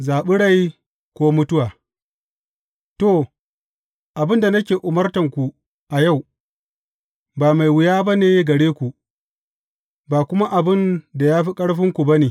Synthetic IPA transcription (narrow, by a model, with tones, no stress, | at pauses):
zaː˨ɓɪ˦ɽa˦j | kʷoː˦mʊ˦tʊ˦waː˨ | to˦˨ | ʔa˨bɪ˦nda˨nɐ˦kʲeː˨ʔʊ˨mɐ˦rtɐ˨ŋkʷu˨ | ʔa˨ja˦˨w | baː˨ma˨jwɪ˨jaː˦ba˦neː˨˦ɡɐ˨ɽeː˦kʷu˨ʔ | baː˨kʷʊ˦ma˦ʔa˨bɪ˦˨nda˨jaː˦ɸi˦kʼɐ˦ɽɸɪ˦ŋkʷu˨ba˦neː˨